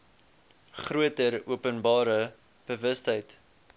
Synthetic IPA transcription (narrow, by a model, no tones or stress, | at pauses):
χruətəɾuəpənbɑːɾə | b̥əvəstəjt